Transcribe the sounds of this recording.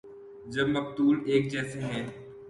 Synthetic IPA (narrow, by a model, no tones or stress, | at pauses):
d͡ʒɐbmɐq̚t̪uːleːk̚d͡ʒɛːseɦɛ̃ː